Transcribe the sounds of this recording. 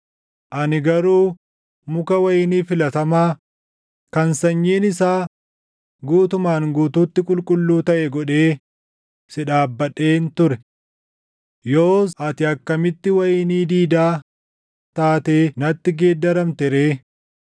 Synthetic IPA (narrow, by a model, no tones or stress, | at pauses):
ʔɐnɪɡɐɾuː | mʊkɐwɐjɪniːfɪlɐt̪ɐmaː | kɐnsɐɲːeːnɪsaː | ɡuːt̪ʊmaːŋɡuːt̪uːt̪ːɪkʼʊlkʼʊlːuːt̪ɐʔɛɡɔᶑe̞ː | sɪᶑaːbːɐᶑe̞ːnt̪ʊɾɛ | joːɐt̪ɪɐkːɐmɪt̪ːɪwɐjniːd̪iːd̪aː | t̪aːt̪eːnɐt̪ːɪɡeːd̪ːɐɾɐmt̪ɛɾeː